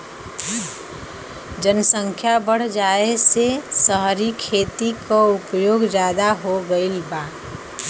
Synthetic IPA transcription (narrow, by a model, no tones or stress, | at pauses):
d͡ʒənsə̃ŋkʰjabəɽ̤d͡ʒaːesesəɦɾikʰeːt̪ikoʊpjoːɡd͡ʒjaːd̪aɦoɡəilbaː